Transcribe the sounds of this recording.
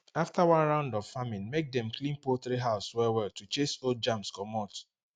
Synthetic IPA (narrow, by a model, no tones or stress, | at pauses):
aftawãnɹãʊ̃ndɔv̥famĩnmek̚dɛ̃mklĩnpoθɹiɦaʊswɛwɛltut͡ʃesold͡ʒãmskɔmɔt